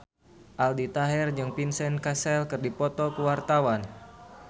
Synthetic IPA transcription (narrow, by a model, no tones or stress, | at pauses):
ʔaldit̪aɦɛrd͡ʒɨŋpinsɛnkasɛlkɨrdipɔt̪ɔkuwart̪awan